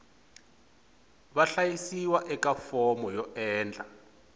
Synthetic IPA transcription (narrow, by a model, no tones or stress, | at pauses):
βaɬajisiwaʔɛkafɔmɔjɔɛːnd͡ɮʱʼa